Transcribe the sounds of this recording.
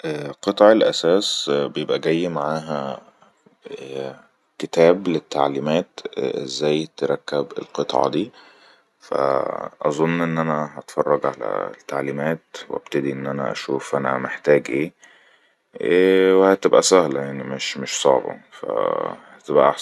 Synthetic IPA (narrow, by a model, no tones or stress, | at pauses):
ʔqɨt̪ˤʕelʔæsæːsbejebʔæɡæjːmaʕaːɦæ | ket̪æːblet̪ːaʕliːmæːt̪ezːæːjt̪eɾˤɑkːæbḛlqet̪ˤʕɑ̰d̪iː | fæ̰ʔɑzˤonːʔenːʔænæɦɑt̪fɑrˤːɑɡʕalæ̰t̪ːaʕliːmæːt̪wʔæ̰b̥̚t̪æd̪iʔenːʔænæ̰ʔæ̰ʃuːfʔænæ̰meħt̪æːɡʔeː | wehæt̪ebʔæsæhlæjaʕnimeʃmeʃsˤɑʕbɑ̰fæ̰hæt̪ebʔæ̰ʔɑħ